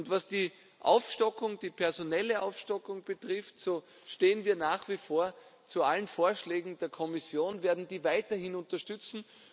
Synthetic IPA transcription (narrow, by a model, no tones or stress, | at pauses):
ʊntvasd̥iː | ʔa̰ʊfʃtɔkʊŋd̥iːpʰɛɐzonɛləʔa̰ʊfʃtɔkʊŋb̥ətʁɪftsoː | ʃteːənviːɐnaːχv̥ifoːɐt͡sualənfoːɐʃlɛːɡŋ̩d̥eːɐkʰɔmɪsjoːnveːɐdn̩diːvaɪtɐhɪnʊntɐʃtʏt͡sn̩